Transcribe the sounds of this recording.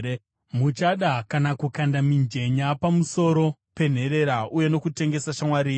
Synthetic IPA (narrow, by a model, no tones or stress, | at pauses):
mut͡ʃaɗakanakukandamind͡ʒe̞ɲapamuso̞ɾo̞pe̞n̤e̞ɾe̞ɾaʔuje̞no̞kute̞ŋɡe̞saʃamwaɾiː